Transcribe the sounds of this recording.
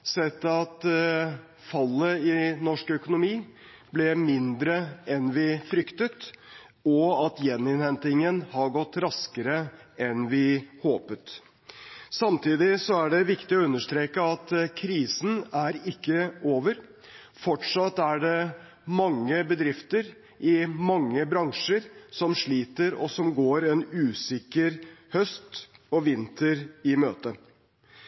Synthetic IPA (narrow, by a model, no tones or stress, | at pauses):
sɛt̪ːɑt̪ | fɑlːəɪnɔʂkœkʊnʊmiː | blɛmɪnd̪ɾəɛnʋɪfɾʏkt̪ət̪ | ɔɑt̪jɛnɪnhɛnt̪ɪŋənhɑɾɡɔt̪ːɾɑskəɾəɛnʋɪhoːpət̪ | sɑmt̪ʰiːd̪ɪsɔæɖɛʋɪkt̪ɪɔʉnːəʂt̪ɾeːkəɑt̪kʰɾiːsn̩æɾɪkːəoːʋəɾ | fɔʈʂɑt̪ːæɖɛ | mɑŋːəbəd̪ɾɪft̪əɾ | ʔɪmɑŋːəbɾɑŋʂəɾsɔmʂɭiːt̪əɾɔ̰sɔmɡoːɾɛnʉːsɪkəɾhœst̪ɔʋɪnt̪ʰəɾɪmøːt̪ə